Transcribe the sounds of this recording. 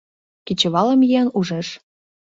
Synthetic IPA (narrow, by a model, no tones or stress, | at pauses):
kit͡ɕə̆βɑlə̆mjiɑnuʒeʃ